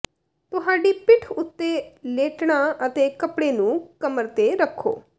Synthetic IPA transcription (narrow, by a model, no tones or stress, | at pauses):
t̪ʊɦaːɖipɪʈʰʊt̪ːeleːʈɽ̃aʔət̪ekɐpɽenũːkɐməɾt̪eɾəkʰːo̰ː